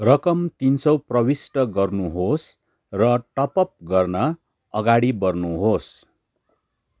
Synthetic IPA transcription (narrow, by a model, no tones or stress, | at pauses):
rʌkʌmt̪insʌwprʌwisʈʌɡʌrnuɦos | rʌʈʌpʌp̚ɡʌrnʌ | ʌɡaɽibʌrnuɦos